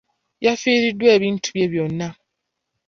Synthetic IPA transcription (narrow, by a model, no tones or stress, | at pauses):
jafiːɾidːweːβiːntʰu̥bjeβjonːa